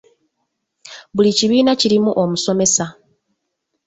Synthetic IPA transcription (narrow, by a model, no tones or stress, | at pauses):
βuliciβiːnaciɾimuʔomuso̞me̞sa